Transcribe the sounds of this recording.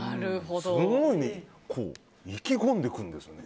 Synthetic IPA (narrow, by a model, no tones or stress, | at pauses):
aɾɯɦod̪oonoɲ̟i | kʰo̰ː | ikʲikõnd̪e̞kɯ̟̃nd̪e̞sɨone